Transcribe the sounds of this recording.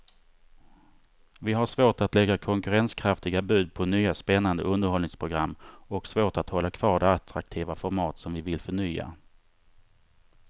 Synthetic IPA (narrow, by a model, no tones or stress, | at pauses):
vɪɦaʂvoːʈat̪lɛɡːakʰɔŋkɵɾɛnskʰɾaft̪ɪɡabʉ̟ːd̪̚pʰɔnyːaspɛnːand̪ə̰ɵnd̪əɾhɔlnɪŋspʰɾʊɡɾamːɔksvoːʈat̪hɔlːakʰv̥ɑːɖɛat̪ɾa̰k̚t̪ʰiːvafɔɾmɑːt̪sɔmvɪvɪlfœɳyːa̰